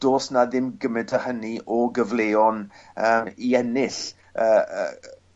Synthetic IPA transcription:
d̥oːsnaðɪmɡəmɛtʰəhəniʔɔɡəvleːɔnəːmiɛnɪɬ | əːə̰

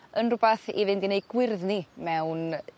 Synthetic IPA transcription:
ənrʊbaθḭvɪndinejɡ̥wɪrðnimɛwn

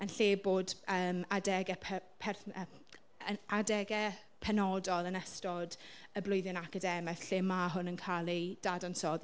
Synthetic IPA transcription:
ənɬeːboːdəːmadɛɡɛpʰpʰɛrə | əadɛɡɛ | pʰɛnɔdɔlˠənɛstɔdəblˠʊɨðjʊnakədɛmɛθɬeːmaɦʊnənkʰalˠid̥adɔnsɔð

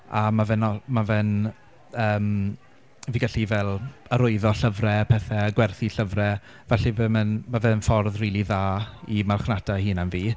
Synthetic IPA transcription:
amavɛnɔmavɛn | əːm | viɡaɬivɛlˠəɾʊɨðɔɬəvrɛpʰɛθɛɡwɛrθiɬəvrɛ | vɛɬivəmənmavɛnfɔrðriːlˠiðaːimalˠχnadahɨːnamviː

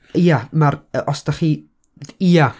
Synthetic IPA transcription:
jamaɾɔsd̥aχi | iːa

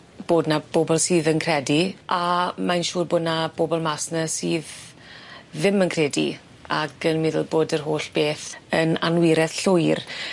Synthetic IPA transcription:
b̥oːdnab̥oːbɔlˠsiːðənkʰrɛdiʔamajnʃuːrbʊːdnab̥oːbɔlˠmasnəsiːðː | ɪmənkʰreːdḭ | aɡ̥ənmɪðəlˠboːdərɦoːɬb̥eːθəna̰nwɪɾɛθɬʊjr

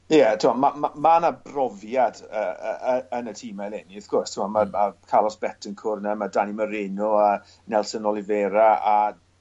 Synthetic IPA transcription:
jɛtʰɪmamamamanabrɔvjadə̰əənətʰiːmajlɛniɪθɡ̥ʊrstʰʊmamamakʰalˠɔsb̥ɛtʰənkʰʊrnɛmadaniməɾɪnʊa | nɛlˠsənɔlˠɪveːɾaa

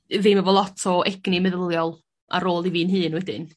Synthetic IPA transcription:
vemavɔlˠɔtʰɔʔɛɡ̥nimɛðəlˠjɔlˠ | ʔa̰ɾoːlˠiviːnɦɨːnwɛdɪn

